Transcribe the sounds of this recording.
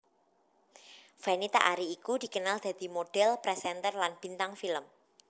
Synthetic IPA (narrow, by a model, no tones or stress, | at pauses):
fanit̪a̰ʔaɾiːkud̪̥i̤kənald̪̥ä̤d̪̥i̤moɖ̥ɛlpɾɛsɛnt̪ərlanb̥i̤nt̪aŋfiləm